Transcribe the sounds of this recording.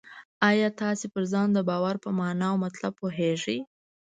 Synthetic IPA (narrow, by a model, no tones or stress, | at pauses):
ɑjɑt̪ɑsepəɾzɑnd̪əbɑwaɾpəmɑnɑwmat̪lab̚poɦeʐəj